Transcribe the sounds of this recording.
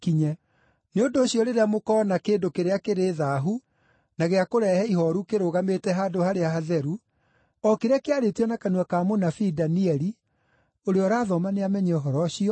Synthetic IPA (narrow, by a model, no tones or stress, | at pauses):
kiɲɛ | neondoːɕjɔɾeɾeamokɔːnakendokeɾeakeɾeːðaːɦu | naɣeakoɾɛhɛihɔɾukeɾoɣametɛɦaːdohaɾeahaðɛɾu | ɔkeɾeakeaɾetiɔnakanuakaːmonafidaniɛɾi | oɾeɔɾaːðɔmaneamɛɲɛɔɦɔɾɔɕiɔ